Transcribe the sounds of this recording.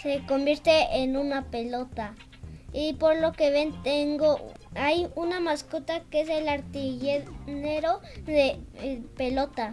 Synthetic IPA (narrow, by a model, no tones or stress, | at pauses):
sekombjeɾt̪eːnunapelot̪a | ipoɾlokeβent̪eŋɡo | ajunamaskut̪akees̬elaɾt̪iʝeneɾo | ðepelot̪a